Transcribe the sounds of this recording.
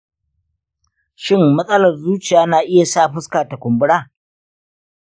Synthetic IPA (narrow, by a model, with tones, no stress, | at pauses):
ʃɪ˦mːɐ˦sʼɐ˦lɐ˨rzuː˦t͡ʃɪ˨jaː˦naː˨ʔɪ˦ja˨saː˦ɸʊ˦skaː˨ta˨kʷʊ˨mbʊ˦ɽaː˦˨